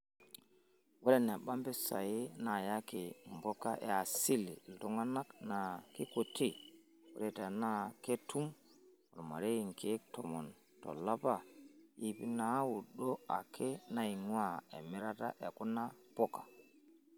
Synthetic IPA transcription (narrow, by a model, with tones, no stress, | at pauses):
wɔ˦ɗɛ˦na˨ɓa˦mbɛ˦sa̰˨je˦na˨ja˦ki˨mbɔ˦ka̰˦ʔɛ̰˨a˨si˦li˨ltu˨ŋa˦na˦kna˨ki˦ko˨tʰi˦ | wo̰˦ɾɛ˨ta˨na˦ke˦tu˦m | ɔ˨ɾma̰˨ɾe˦i˨ŋke˦ktɔ˨mɔ˨n | to̰˨la˦pa˦˨ji˦pi˦na˦wu˨ɗo˦a̰˨kʰe˦na˦i˨ŋ˦a˦ḛ˨mi˦ɾa˦ta̰˦ʔe˨ku˦na˦pɔ˦ka˨